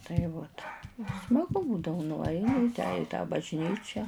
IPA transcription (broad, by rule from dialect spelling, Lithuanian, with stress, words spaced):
tɐɪ ˈʋoːt smɐˈɡʊ ˈbuːdɐʋʊ nʊˈɐɪnʲɪ ɪ ˈtʲæː ɪ tɑː bɐʒʲˈnʲiːt͡ʃʲɛ